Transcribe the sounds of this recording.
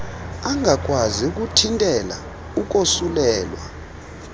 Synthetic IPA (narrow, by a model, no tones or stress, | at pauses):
aŋʱak̬ʼwaziuk̬utʰintʼɛla̰ | uk̬osulɛːlwa̰